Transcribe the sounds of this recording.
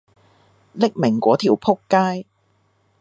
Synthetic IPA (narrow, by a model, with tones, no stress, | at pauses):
lɪ˥k̚mɪ˨˩ŋkʷɔː˨˥t̪ʰiː˨˩wpʰʊ˥kːaː˥j